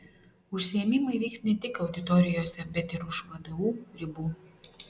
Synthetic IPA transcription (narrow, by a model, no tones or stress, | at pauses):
ʊʃʲsʲɪjɛmʲiˑmɐɪʋʲiːksnʲɛt̪ʲɪkɐʊd̪ʲɪt̪ɔɾʲɪjoːsʲɛbʲɛt̪ɪɾʊʃʋɐd̪ɐʋuːɾʲɪbuː